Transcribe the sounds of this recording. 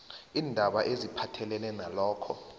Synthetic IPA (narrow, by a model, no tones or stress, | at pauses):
iːndʱaɓaʔezipʰatʰɛlɛlɛnalɔːkʰɔ